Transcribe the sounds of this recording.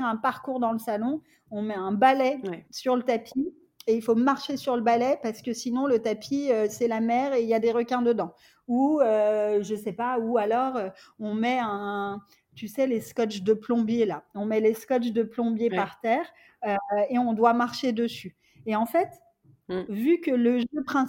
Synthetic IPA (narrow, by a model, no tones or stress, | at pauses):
ʁɛ̃paʁkuʁd̪ɑ̃ləsalɔ̃ | ɔ̃mɛɛ̃balɛsyʁlət̪apʰi | eilfomaʁʃesyʁləbalɛpaʁsə̥kəsinɔ̃lət̪apʰiøsɛlamɛːʁeiljad̪eʁəkʲɛ̃d̪əd̪ɑ̃ | uøʒəsɛpaualɔʁøɔ̃mɛɛ̃ | t̪ysɛleskɔt͡ʃd̪əplɔ̃bjelaɔ̃mɛleskɔt͡ʃd̪əplɔ̃bjepaʁt̪ɛːʁ | øeɔ̃d̪wamaʁʃed̪əsy | eɑ̃fɛt̪ | vykələʒøpχɛ̃